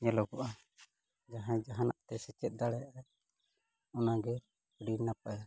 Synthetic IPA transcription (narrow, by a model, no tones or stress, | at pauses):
ɲɛlɔɡɔʔa | d͡ʒaɦãd͡ʒaɦanaʔt̪ɛsɛt͡ʃɛt̪̚ˀd̪aɽɛjaʔa | ɔnaɡɛ | ɽiɾnapaja